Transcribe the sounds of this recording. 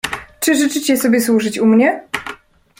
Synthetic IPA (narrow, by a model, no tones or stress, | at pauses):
t͡ʂɘʐɘt͡ʂɘt͡ɕɛsɔbʲjɛswuʐɘt͡ɕumɲɛ